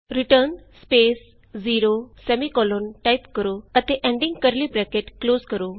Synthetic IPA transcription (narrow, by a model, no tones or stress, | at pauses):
ɾiʈəɾnspes | ziːɾosɛmikɔlonʈajpkəɾoət̪eʔẽɳɖĩŋɡkəɾliːpɾɛkeʈkloːzkəɾo